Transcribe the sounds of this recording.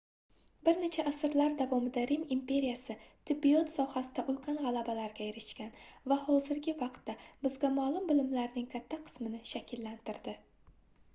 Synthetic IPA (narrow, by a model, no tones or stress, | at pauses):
bɪɾne̞t͡ʃʰaʔːsɪɾlaɾd̪avɒmɪd̪aɾɪmimpʰe̞ɾijasɪt̪ʰɪbːijɒt̪sɒhasɪd̪aʔʊlkʲʰanʁalabalaɾɡʲajeɾɪʃkʲanvahɒzɪɾɡʲɪvɑqt̪ːabɪzɡʲamalˠʊmbɪlɪmlaɾnɪŋkʲʰat̪ʰːaqʰɨ̥smɪnɪʃakʲʰɪlːant̪ʰɪɾd̪ɪ